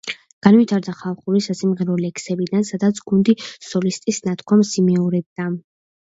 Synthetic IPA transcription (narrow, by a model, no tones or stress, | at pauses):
ɡ̥anvit̪ʰaɾd̪aχalˠχuɾisasimʁɛɾɔlɛkʰsɛbid̪ansad̪at̪sʰɡ̥und̪isɔlist̪ʼisnat̪ʰkʰwamsimɛɔɾɛb̚d̪a